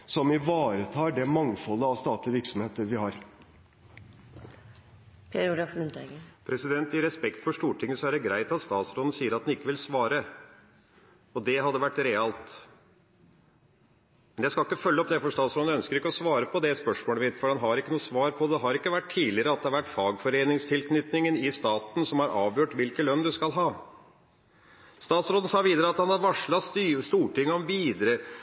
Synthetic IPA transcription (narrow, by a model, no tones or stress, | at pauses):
sɔmɪʋɑːɾət̪ʰɑːɖɛmɑŋfɔlːəɑʋst̪ɑːt̪lɪʋɪɾksɔmheːt̪əɾʋɪhɑɾ | pʰeɾʊɡɾɑfɾʉnt̪ɛɡəpʰɾɛsɪd̪ɛnt̪ɪɾɛspɛkt̪fɔʂt̪uːʈʰɪŋːəsɔæɾjæɡɾæɪt̪ɑt̪st̪ɑːt̪sɾɔːd̪n̩siːəɾɑt̪̚d̪nɪkːəʋɪlsʋɑːɾə | ɔd̪ɛɦɑd̪ːəʋæʈːɾɛɑlt̪ | mɛnjæɪskɑlɪkːəfœlːəɔpd̪ɛfɔʂt̪ɑːt̪sɾoːd̪nœnskəɾɪkːəɔsʋɑːɾəpʰɔd̪ɛspœʂmoːləmɪt̪fɔɾhɑnɦɑɾɪkːənuːsʋɑːɾpʰɔd̪ɛɦɑɾɪkːəʋæʈʰːiːlɪəɾəɑt̪̚d̪ɛhɑɾʋæʈːfɑːɡfɔɾeːnɪŋst̪ʰɪlkʰnʏt̪nɪŋənɪst̪ɑːt̪n̩sɔmhɑɾʔɑːʋjøːʈʋɪlkəlœnd̪ʉskɑlɦɑː | st̪ɑːt̪sɾoːd̪ən̩sɑːʋiːd̪əɾəɑt̪hɑnhɑd̪ʋɑʂɭɑsst̪uːʈɪŋːəɔmʋiːd̪ɾə